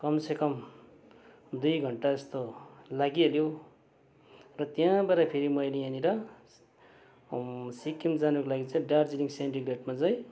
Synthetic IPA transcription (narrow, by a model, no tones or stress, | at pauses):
kʌmsekʌm | d̪ujɡʱʌɳʈaʌst̪olaɡieljo | rʌt̪jãbaɾapʰeɾimʌjleaniɾʌ | sikːimd͡zanukolaɡit͡sãĩɖard͡ziliŋsenʈiɡreʈmad͡zʌj̃